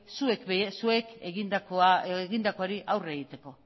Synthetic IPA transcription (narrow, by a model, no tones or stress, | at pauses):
suekesue̞keɣind̪akoaeɣind̪ako̞aɾiʔawre̞ɣit̪e̞ko̞